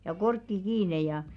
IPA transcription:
jɑ korkːi kiːne jɑˑ

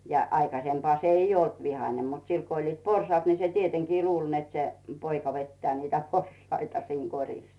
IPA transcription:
jɑ ɑikɑsempŏɑˑ se ij olt ʋihɑne mut sil ko olʲliːt porsŏɑːt ni se tieteŋkiː luːlʲ net se poikɑ ʋetːĕæˑ niːtæ porsɑitɑ siːŋ korʲis

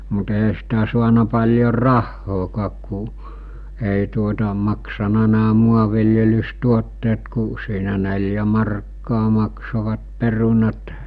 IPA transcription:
mut eɦæ sitæ suɑnɑ pɑlʲjor rɑhːoːkɑːk ku eˑi tuotɑ mɑksɑnɑ næː muɑʋiljelystuotːeːt ku siːnæ nelʲjæ mɑrkːɑː mɑksoʋɑt perunɑt

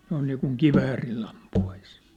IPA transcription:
noin niːkuŋ kiʋæːrilː ɑmpuɑis

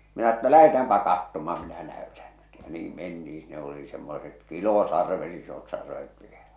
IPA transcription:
minæ ĕtːæ læhetæːmpæ kɑtːomɑ minæ næøtæn n̥ẙt jɑ niːm mentiĩː sinːe oli semːoset kilosɑrʋet isot sɑrʋet ʋielæ̥

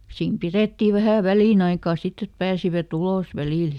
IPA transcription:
siːm pireˑtːiˑ ʋæhæˑ ʋæliˑnɑikɑˑ sitː et pæːsiʋæt uloˑs ʋæliˑl

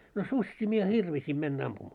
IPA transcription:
no susʲːiː mie hirʋisim menːæ ɑmpumɑː

